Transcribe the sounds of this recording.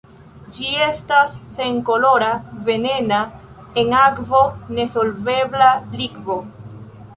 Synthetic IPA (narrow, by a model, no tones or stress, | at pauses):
d͡ʒie̞stasːe̞ŋko̞lo̞ɾave̞ne̞na | e̞ŋakvo̞ne̞so̞lve̞blaliɡvo̞